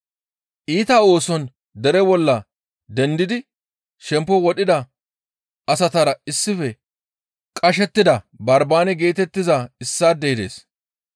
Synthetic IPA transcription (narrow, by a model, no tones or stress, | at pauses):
ʔiːt̪ɐo̞ːsɔn | d̪ɛɾɛbɔlːɐ | d̪ɛnd̪ɪd̪ɪ | ʃɛmpːɔwɔɗɪd̪ɐ | ɐsɐt̪ɐɾɐɪsːɪfɛ | kʼɐʃ̬ɛt̪ːɪd̪ɐ | bɐɾbaːnɛɡe̞ːt̪ɛt̪ːɪzɐɪsːaːd̪ɛɪd̪e̞̰ːs